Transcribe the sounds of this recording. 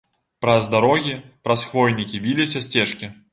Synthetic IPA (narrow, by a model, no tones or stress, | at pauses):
pɾɐzd̪aɾɔɣʲipɾɐsxvɔjnʲikʲivʲilʲisʲɐsʲt͡sʲɛʂkʲi